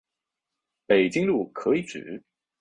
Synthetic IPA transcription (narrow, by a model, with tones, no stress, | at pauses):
pe˨˩ɪt͡ɕi˥ŋlu˥˩kʰɤ˧˥i˧˩ʈ͡ʂɻ̩˨˩˦